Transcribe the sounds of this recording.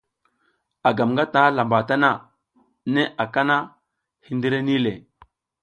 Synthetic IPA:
a˨ɡa˨mŋɡa˦ta˨˦la˨mba˨ta˦na˦ | ne˦ʔa˨ka˦na˦ | hi˦ndi˦ɾe˦ni˦le˨

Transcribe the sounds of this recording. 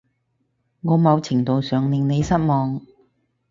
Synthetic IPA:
ŋɔː˨˧mɐ˨˧wt͡sʰɪ˨˩ŋt̪o˨wsœː˨ŋlɪ˨ŋne˨˧jsɐ˥t̚mɔː˨˧ŋ

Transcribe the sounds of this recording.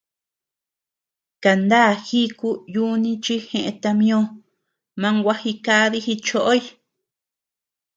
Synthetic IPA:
ka˨nd̪aː˦˨xi˦ku˦ju˦nĩ˧t͡ʃi˦xẽ˧ʔḛ̃˧t̪a˧mĩ˦õ˦ | mã˧˦ŋɡʷa˦hi˧ka˦ði˦xi˧t͡ʃo˦ʔo˦i˧˦

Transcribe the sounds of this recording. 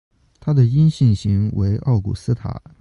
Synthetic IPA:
t̪ʰa˥d̪ə˨i˥nɕi˥˩nɕi˧˥ŋwe˧˥ɪʔɑ˥˩ʊkṵ˨˩sɹ̩˥t̪ʰa̰˨˩˦

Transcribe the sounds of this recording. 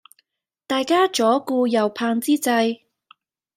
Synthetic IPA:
t̪aː˨jkaː˥t͡ʃɔː˨˥kuː˧jɐ˨˩wpʰaː˧ŋt͡siː˥t͡sɐ˧j

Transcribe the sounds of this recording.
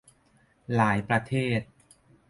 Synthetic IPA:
laː˩˦jpɾa˧t̪ʰeː˥˩t̪̚

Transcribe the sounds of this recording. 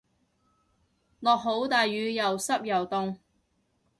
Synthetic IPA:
lɔː˨k̚ɦo˨˥wt̪aː˨jyː˨˧jɐ˨wsɐ˥p̚jɐ˨wt̪ʊ˨˧ŋ

